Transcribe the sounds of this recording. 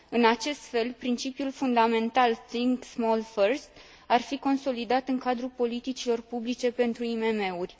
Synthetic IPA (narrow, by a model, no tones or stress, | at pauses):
ɨnat͡ʃe̞st̪fe̞lpɾint͡ʃipjulfund̪ame̞nt̪alsiŋksmolfərst̪ | arfiko̞nso̞lid̪at̪ɨŋkad̪ɾupo̞lit̪it͡ʃilo̞rpublit͡ʃe̞pe̞nt̪ɾuime̞me̞urʲ